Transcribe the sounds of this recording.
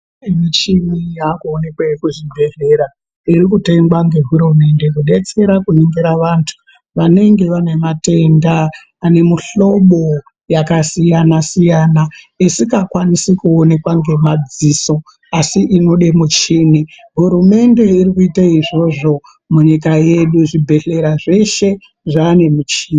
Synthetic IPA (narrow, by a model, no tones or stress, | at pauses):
emit͡ʃimijakuone̞kwekuʐibʱe̞ɦeɾa | iɾikute̞ŋɡwaŋɡe̞ɦuɾume̞nde̞kuɗe̞t͡se̞ɾakuneŋɡeɾaʋantʰu̥ | ʋane̞ŋɡe̞ʋane̞mate̞ndaː | ne̞muɬo̞ɓo̞ | jakasijanasijaːna | isikakwanisikuone̞kwaŋɡe̞mad͡ziso̞ | asiʔino̞ɗe̞mut͡ʃiːni | ɦuɾume̞nde̞irikuitaiʐo̞ʐo̞ | muɲikaje̞ɗuʐibʱe̞ɬe̞ɾaʐe̞ʃe̞ | ʐaːne̞mut͡ʃiːni